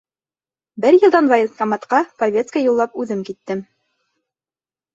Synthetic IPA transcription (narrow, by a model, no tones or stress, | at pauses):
bɘɾjɤ̆d̪ɑnvajsk̪ɑmɑt̪qɑpɐvʲet̪skəjulˠːɑpʉðɘmkit̪ːɘm